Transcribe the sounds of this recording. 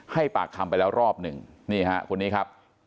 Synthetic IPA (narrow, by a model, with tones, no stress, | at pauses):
ha˥˩jpaː˨˩k̚t̪ʰa˧mpa˧jlɛː˦˥wɾɔː˥˩p̚nɯ˨˩ŋniː˥˩ɦa˦˥kʰo˧nːiː˦˥kʰa˦˥p̚